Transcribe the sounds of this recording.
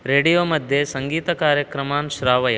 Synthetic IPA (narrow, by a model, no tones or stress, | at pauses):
ɾeːɽijoːmɐd̪ʱjesɐŋɡiːt̪ɐkaːɾjɐkɾɐmaːnʃɾaːʋɐjɐ